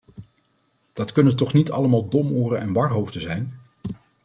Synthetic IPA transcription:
d̥ɑtkɵnəntɔχnitɑ̰ləmaːlˠdɔmoːrənʔɛnʋɑrɦowfdəzɛjn

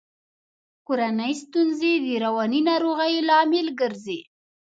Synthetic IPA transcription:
koɾanəjst̪unzed̪əɾawɑninɑɾoɣəjlɑmɪlɡəɾzi

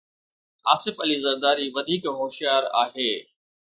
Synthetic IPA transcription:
aːsɪfɐlizɐɾd̪aːɾiʋɐd̪ʱiːkɦoːʃijaːɾa̰ːɦeː

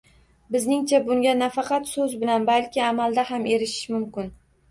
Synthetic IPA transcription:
bɪznɪŋt͡ʃʰabʊŋɡʲanafɑqʰɑt̪sɵzbɪlanbalkʲɪamald̪aɦamʔe̞ɾɪʃɪ̥ʃmʊmkʲɪn

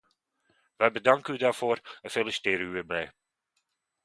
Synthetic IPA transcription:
ʋəbədɑŋkəydaːɹfoːɾəfeləstɪːɾyərmɛj

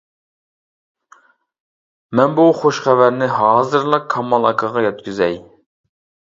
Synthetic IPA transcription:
mɛnbuχoʃχævæɾnɪɦɑːzɨɾlˠɑkʰɑmɑlˠɑkʰɑʁɑjɛt̪kʲyzɛj

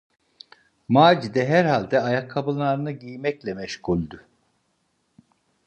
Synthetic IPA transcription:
maːd͡ʒid̪ɛɦæɾhalʲd̪ɛajakʰːabɯlˠːaɾɯnɯɟijmɛclʲɛmɛʃkʰulʲd̪ʊ

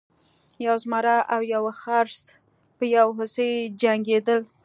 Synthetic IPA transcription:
jawzmɑɾaʔawjawaxɑɾst̪ | pəjawɦʊsejd͡ʒaŋɡed̪əl

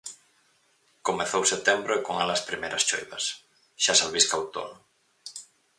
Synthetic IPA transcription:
komeθowset̪embɾoekoŋalaspɾimejɾɐst͡ʃo̰jβɐs | ʃasalβiskawt̪o̰nʊ

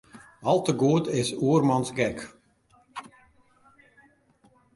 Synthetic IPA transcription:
ɑlˠtəɡuətɪsuərmɑnsɡɛk

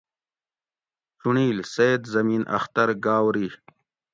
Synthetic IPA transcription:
t͡ɕuɳiːlsed̪zɐmiːnʔɐ̰xt̪ɐɾɡaːwɾi

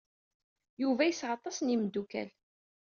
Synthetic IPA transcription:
juvæjəsːʁɑt̪ˤːɑsnimd̪ːukæ̰l

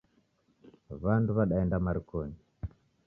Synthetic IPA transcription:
βanduβaɗaɛndamaɾikɔɲi

